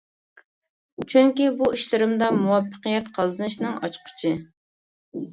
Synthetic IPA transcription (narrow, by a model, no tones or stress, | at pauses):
t͡ʃʰyŋkʲibuiʃlɪɾɨmd̪ɑmuwɑpːə̥qəjɛt̪qʰɑlˠzɨnɨʃnɨŋɑt͡ʃqʰʊ̥t͡ʃʰɪ